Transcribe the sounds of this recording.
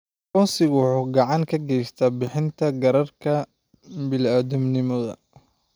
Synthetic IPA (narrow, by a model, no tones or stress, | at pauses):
kɔnsɪɣħʊɡɑʕɑŋkʰɐɡɛjst̪ʰɐbɪħɪnt̪ʰɐɡɐɾɐrkʰɐ | bɪlaːðʊmnɪmɔðɐ̰